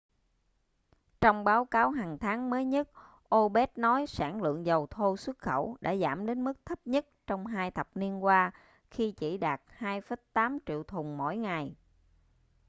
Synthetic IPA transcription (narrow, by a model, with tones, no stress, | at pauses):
t͡ɕɔ˧wŋ͡mɓaː˨˦wkaː˨˦wɦaː˨˩ŋt̪ʰaː˨˦ŋməː˨˦jɲə˦˥t̚ | ʔo˧ɓɛ˦˥t̚nɔ˨˦jsaː˧˩ŋlɨ̰˧˨əŋzə˨˩wt̪ʰo˧swə˦˥t̚xə˧˩wɗa̰ː˧˥za̰ː˧˩mɗe˨˦nmɨ˦˥k̚t̪ʰə˦˥p̚ɲə˦˥t̚t͡ɕɔ˧wŋ͡mɦaː˧jt̪ʰə˨˩p̚ni˧ənkwaː˧ | xi˧t͡ɕḭ˧˩ɗaː˨˩t̚haː˧jfə˨˦jt̪aː˨˦mt͡ɕḭ˧˨əwt̪ʰʊ˨˩ŋ͡mmo̰˧˥˩jŋa˨˩j